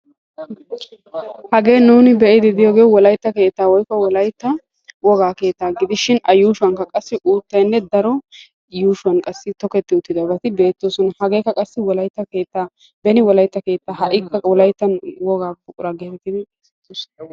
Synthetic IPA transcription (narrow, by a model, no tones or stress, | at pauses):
hɐɡe̞ːnuːnɪbɛʔɪd̪ɪd̪ɪjoːɡejɔwɔlɐjt̪ːɐke̞ːt̪ːaːwɔjkːɔwɔlɐjt̪ːɐ | wɔɡaːke̞ːt̪ːaːɡɪd̪ɪʃɪnɐjuːʃʊwɐŋkɐkʼɐsːɪʔuːt̪ːɐjnːɛd̪ɐɾɔ | juːʃʊɐnkʼɐsːɪt̪ɔkɛt̪ːɪʊt̪ːɪd̪ɐbɐt̪ɪbe̞ːt̪ːoːsɔnɐhɐɡe̞ːkːɐkʼɐsːɪwɔlɐjt̪ːɐke̞ːt̪ːaː | bɛnɪwɔlɐjt̪ːɐke̞ːt̪ːaːɦɐʔɪkːɐwɔlɐjt̪ːɐnwɔɡaːbʊkʼʊɾɐɡeːfɛt̪ɪd̪ɪ